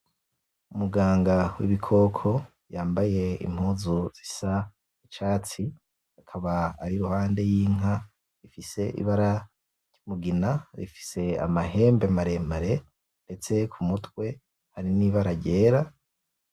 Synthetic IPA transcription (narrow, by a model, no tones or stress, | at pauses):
umuɡaːŋɡawḭβikʰo̞ːkʰo̞ | jaːmbaje̞ḭm̥huːzuz̥isa | it͡ʃaːt͡si | akʰaβa̰ːɾiɾuhaːnde̞jiːŋɦa | ɾifise̞ʔḭβaɾa | ɾɟ̥umuɡinaɾḭfi̥se̞a̰mahe̞ːmbemaɾe̞maɾe̞ | nde̞t͡se̞kʰumutwe̞ | haɾiniβaɾaɟe̞ːɾa